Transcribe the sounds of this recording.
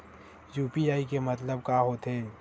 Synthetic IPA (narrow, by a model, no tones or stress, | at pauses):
juːpiaːikemɐt̪ləb̚kaːɦoːt̪ɦeː